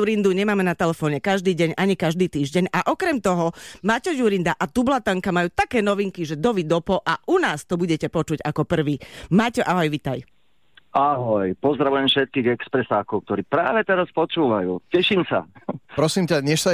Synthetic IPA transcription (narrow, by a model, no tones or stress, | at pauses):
uɾind̪uɲɛmaːmɛnat̪ɛlɛfɔːɲɛkaʒd̪iːɟɛɲaɲikaʒd̪iːt̪iːʒɟɛɲaʔɔkɾɛmt̪ɔɦɔmaːcɔjuɾind̪aʔat̪ublat̪aŋkamajuːt̪akɛːnɔʋiŋkiʒɛd̪ɔʋid̪ɔpɔʔaʔunaːst̪ɔbuɟɛcɛpɔt͡ʃuɟakɔpr̩ʋiːmaːcɛʔaɦɔjʋit̪aj | aɦɔjpɔzd̪ɾaʋujɛmfʃɛt̪̚kiːɣɛkspɾɛsaːkɔʊkt̪ɔɾiːpɾaːʋɛt̪ɛɾaspɔt͡ʃuːʋajuːcɛʃiːmsa̰pɾɔsiːmcaɲɛʃsa